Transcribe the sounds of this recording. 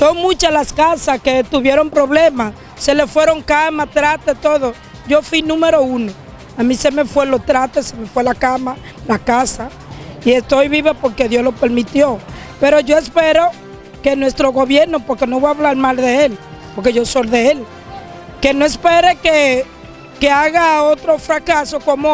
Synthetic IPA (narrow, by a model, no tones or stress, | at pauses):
so̞ŋmũt͡ʃalaskasaske̞t̪uβje̞ɾo̞mpɾo̞βlema | se̞le̞fwe̞ɾo̞ŋkamat̪ɾat̪et̪o̞ðo̞ | ʝo̞fwinũme̞ɾo̞uno̞ | amĩse̞me̞fwe̞lo̞t̪ɾat̪eseme̞fwelakama | lakasa | ie̞st̪ojβiβepo̞ɾke̞ðjo̞zlope̞ɾmit̪jo̞ | pe̞ɾo̞ʝo̞espe̞ɾo̞ | ke̞nwe̞st̪ɾo̞ɣo̞βje̞ɾno̞po̞ɾke̞no̞βojaβlaɾmalðe̞el | po̞ɾke̞ʝo̞so̞lðe̞el | ke̞noespe̞ɾeke | keaɣaot̪ɾo̞fɾakaso̞ko̞mo